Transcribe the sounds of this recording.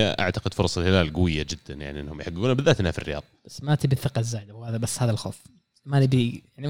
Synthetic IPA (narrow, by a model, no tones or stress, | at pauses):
ʔa̰ʕt̪aqɪd̪fʊɾˤsˤɑlhɪlaːlɡʊwɪjːad͡ʒɪd̪ːanjaʕniʔɪ̰nːahʊmjħaɡːuːnabɪðːaːt̪nafirːɪjɑ̰ːðˤbasːmat̪ibiθɪqɑzːaːjd̪ahaːðabasːhaːðalxo̰ːf | malibijaʕni